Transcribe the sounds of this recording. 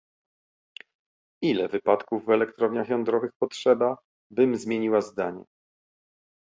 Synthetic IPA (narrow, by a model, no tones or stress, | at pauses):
ilɛvɘpat̪kuvːɛlɛkt̪ɾɔvɲaxjɔnd̪ɾɔvɘxpɔtʂɛba | bɘmzmʲjeɲiwazd̪aɲɛ̰